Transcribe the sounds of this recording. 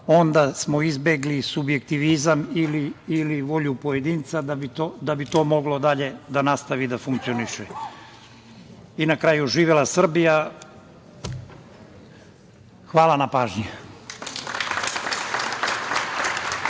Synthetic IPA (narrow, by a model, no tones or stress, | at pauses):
o̞nd̪asmoizbe̞ɡlisubje̞k̚t̪iʋizamiliːliʋo̞ʎupoje̞d̪iːnt̪sad̪abit̪od̪abit̪o̞ːmo̞ɡlo̞d̪aʎe̞d̪anast̪aʋid̪afuŋk̚t̪ioniʃe | inakɾaːjuʒiːʋelasr̩bija | xʋaːlanapaːʒɲi